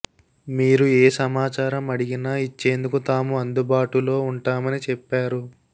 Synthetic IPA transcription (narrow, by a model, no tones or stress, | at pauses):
miːɾueːsɐmaːt͡ʃaːɾɐmɐɽiɡinait͡ʃːe̞ːnd̪ukut̪aːmuɐnd̪ubaːʈulo̞ːuɳʈaːmɐnit͡ʃɛpːaːɾu